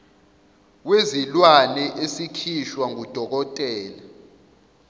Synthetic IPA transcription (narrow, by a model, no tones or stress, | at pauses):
wezilwanɛʔesikʰiʃwaŋud̥ʱɔk̬ɔtʼɛːla